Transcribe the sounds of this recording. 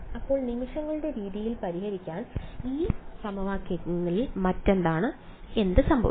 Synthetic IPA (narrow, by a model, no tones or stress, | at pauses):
ɐpːo̞ːɭnimiʂɐŋːɐɭɨɽe̞ɾiːðijilpɐɾiɦɐɾikʲːaːniːsɐmɐʋaːkːɐŋːɐɭilmɐtːe̞nd̪aːɳɨe̞nd̪ɨsɐmbʱɐ̰ʋ